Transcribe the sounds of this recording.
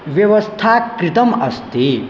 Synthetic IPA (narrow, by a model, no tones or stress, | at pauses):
ʋjɐʋɐst̪ʰakɾit̪ɐmɐ̰st̪e